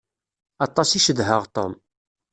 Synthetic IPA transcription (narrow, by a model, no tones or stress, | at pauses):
ɑt̪ˤːɑsiʃəðɦəʁt̪ˤo̰m